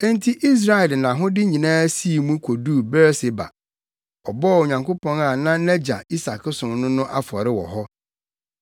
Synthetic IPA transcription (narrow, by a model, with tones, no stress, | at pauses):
ɛ˦n˦tʰi˦ʔi˦s̬ɾa˦ɛ˨lnã˨ɦʊ̃˦dɪ˦ɲĩ˨nãː˦si˦˨mũ˦kʰo˨du˦˨bɛ˦ɾse˨ba̰˨ | ɔ˨bɔ˦˨o˨ɲã˨ŋko˦pʰɔ̃˦na˨nã˦nɛ̃˦d͡ʑa̰˨i˦sa˨kʰɪ˦sʊ̃˨mnʊ̃˦nʊ̃˦ʔa˦fʊ˨ɔ˨ɾɪ˦wɔ̰˨ɦɔ˦